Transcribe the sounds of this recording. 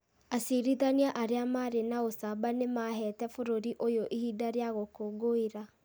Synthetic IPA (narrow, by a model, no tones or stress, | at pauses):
asiɾiðaniaʔaɾeamaɾenaosabanemaɦɛːtɛfoɾoɾiʔojoʔihidaɾeaɣokoːɡoiɾa